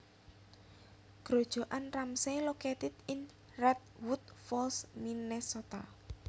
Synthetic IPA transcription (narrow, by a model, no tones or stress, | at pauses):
ɡ̥ɾod̥ʒ̥o̤ʔanramsɛlokɛt̪ɪt̪ɪŋ | rɛt̪̚wut̪̚fɔlsminɛsot̪a